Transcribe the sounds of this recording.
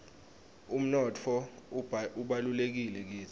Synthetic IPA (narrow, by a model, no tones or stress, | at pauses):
um̩nɔtʰɔ | uɓalulek̬ilɛk̬iːtʰ